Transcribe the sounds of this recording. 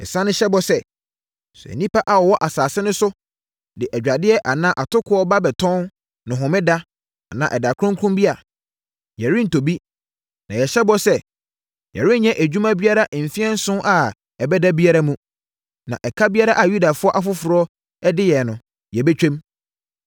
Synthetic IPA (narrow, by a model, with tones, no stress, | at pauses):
ɛ̰˨sã˦nʊ̃˦ɕɛ˦bɔ˨˦sɛ˦˨ | sʊ˨ɛ̰˨nĩ˦pa˦ʔa˨wɔ˨wɔ˦ʔa˨saː˨sɪ˦nʊ̃˦sʊ˦ | dɪ˨ʔæ˨d͡ʑᶣa˨dɪ˦ɛ˦ʔa˨nã˦ʔa˨tʊ˦kʰʊ˦ɔ˦ba˦bɛ˨tʰɔ̃˦n | nʊ̃˨ɦʊ̃˨mɪ̃˦da˦ | a˨nã̰˨ʔɛ˨da˨kʰɔ̃˦ŋkʰũ˦mbi˦a˨ | jɛ˨ɾɪ̃˦n̩˨to˨bi˦ | nã˨jɛ˨ɕɛ˦bɔ˦sɛ˦ | jɛ̰˨ɾɪ̃˦n˦ɲɛ̃˦ʔæ˨d͡ʑᶣu˦mã˦bi˦a˦ɾa˦ʔm̩˨fi˦ɛ˦n̩˦sʊ̃˦ʔa˨ | ɛ˨bɛ˦da˦bi˦a˦ɾa˦mũ˦ | nã̰˨ʔɛ˨kʰa˦bi˦a˦ɾa˦ʔa˨ju˦da˨fʊ˦ɔ˦ʔa˨fʊ˦fʊ˨ɾɔ˦ | ɛ˦dɪ˦jɛ˨nʊ̃˨ | jɛ˨bɛ˦t͡ɕᶣɛ̃˦m